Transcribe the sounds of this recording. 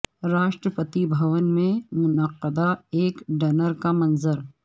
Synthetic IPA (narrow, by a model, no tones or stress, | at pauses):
ɾaːʃʈɾəpət̪ibʱɐʋənmẽmʊnəqːəd̪aeːkɖɐnəɾkamɐnzəɾ